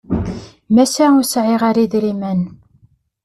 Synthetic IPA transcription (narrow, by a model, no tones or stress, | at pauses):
mæsæʊsʕɪʁaɾiðɾimæn